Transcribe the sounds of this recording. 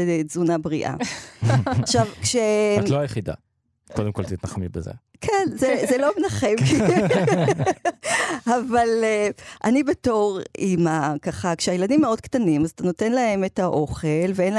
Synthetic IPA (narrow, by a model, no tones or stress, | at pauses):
zunabʁiʔa̰ | aʃavkʃet̪loajeχid̪a̰ | kod̪emkolt̪it̪naχmibḛzḛ | kʰenzezelomenaχem | avaleʔanibeto̞ʁimakaχakʃeajeladimːeo̞d̚ktanimazat̪ano̞te̞nlae̞metaʔo̞χe̞lveenl